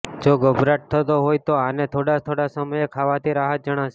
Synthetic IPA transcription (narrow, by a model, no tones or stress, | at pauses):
d͡ʒoɡəbɾaʈ̚t̪ʰət̪oɦojt̪oanet̪ʰoɽat̪ʰoɽasəməjekʰaʋat̪ʰiɾaɦət̪̚d͡ʒəɽ̃aʃe